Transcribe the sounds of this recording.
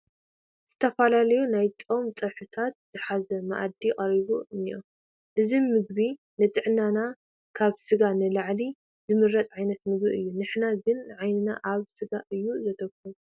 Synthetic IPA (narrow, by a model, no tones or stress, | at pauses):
z̥ɨt̪ʰɐfalalɐjunajt͡sʼomt͡sʼɐħut̪ʰat̪̚z̥ɨħazɐma̰ʔa̰d̪ikʼɐɾiβunijo̰ | ʔɨzimɨɡ̚βi | nɨt̪ʼɨʕnana | kʰaβsɨɡanɨlaʕli | zɨmɨɾːɐt͡s̪ʼʕajnɐt̪mɨɡbiɨjːunɨħnaɡɨnʕajnɨna̰ʔaβsɨɡaʔɨjːuzɐt̪ʰɐkːɨlu